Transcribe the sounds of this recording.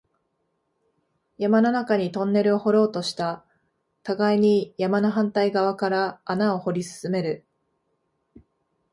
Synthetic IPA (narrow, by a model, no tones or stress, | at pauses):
jamano̞nakaɲ̟it̪õ̞nːe̞ɾɯ̟o̞ho̞ɾo̞ːt̪o̞ɕi̥t̪a | t̪aɡaiɲ̟ijamanaɦãnt̪aiɡaβakaɾaːnao̞ho̞ɾʲisɨ̥sɨme̞ɾɯ̟